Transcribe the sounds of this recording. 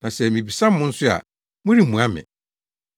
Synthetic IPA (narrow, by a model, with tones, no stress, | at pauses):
nã˨sɛ˨mĩ˨bi˨sã˦m˦mʊ̃˦n̩˦sʊ˦a̰˨ | mʊ̃˦ɾi˦mũ˨a˦mɪ̰̃˨